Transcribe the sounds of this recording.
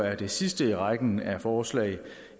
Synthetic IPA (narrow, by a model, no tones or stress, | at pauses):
æɐd̥e̝sisd̥əiʁaɡ̥n̩æfɒːslɛ̰ɪ